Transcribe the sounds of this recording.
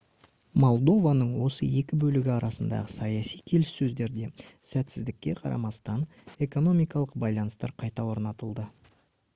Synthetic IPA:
mo̞lˠd̪o̞vanəɴwo̞səje̞kʲɪbɵlɪɡʲɪɑɾɑsənd̪ɑ̰ʁəsɑjɑsijkʲʰe̞lɪsːɵzd̪e̞ɾd̪e̞sæt̪sɪzd̪ɪkʲːe̞qʰɑɾʔɑ̰mɑst̪ɑn | e̞ko̞no̞mijkɑlˠəq̚bɑjlˠɑnəst̪ɑ̰ɾqʰɑjt̪ɑwo̞ɾnɑt̪əlˠd̪ə

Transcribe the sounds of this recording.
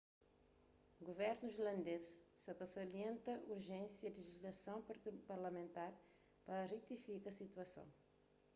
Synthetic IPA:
ɡuvɛɾnuiʒlɐ̃nd̪ezsɐt̪ɐsoɾiẽnt̪ɐuɾʒẽnsjɐliʒiʒlɐsɐ̃w̃ppɐɾlɐmẽnt̪aɾ | pɐrit̪ifikɐsit̪wɐsɐ̰̃w̃

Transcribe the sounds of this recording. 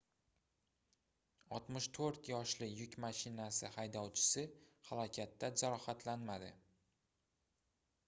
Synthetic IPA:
ɒt̪mɪʃt̪ʰoɾt̪jɒʃlɪjʊkʲmaʃɪnasɪhajd̪ɒwt͡ʃʰɪ̥sɪhalˠɒkʲʰat̪ːad͡ʒaɾɒhat̪ʰlanmad̪ɪ̰

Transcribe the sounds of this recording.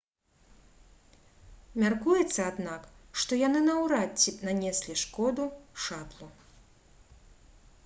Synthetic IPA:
mʲarkujɛt̪sːɐad̪nakʂt̪ɔjanɨnɐwɾat͡sʲːipnanʲɛsʲlʲiʂkɔd̪uʂat̪lˠu

